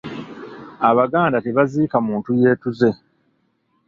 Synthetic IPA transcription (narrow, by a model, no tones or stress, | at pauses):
aβaɡaːndate̞βaziːkamuːntuje̞ːtuze̞